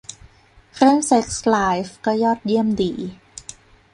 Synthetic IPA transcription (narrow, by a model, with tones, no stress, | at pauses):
kʰɾɯ˥˩ə˨ŋse˦˥k̚slaː˦jfkɤ˧˩jɔː˥˩t̪̚ji˥˩əmdiː˨˩˦